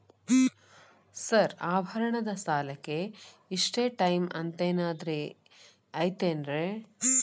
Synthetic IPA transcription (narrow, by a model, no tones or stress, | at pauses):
sɐɾaːbʱɐɾɐɳɐd̪ɐsaːlɐkːe̞ | iʂʈeːʈɐjmɐnt̪eːnaːd̪ɾe | ɐjt̪eːnɾe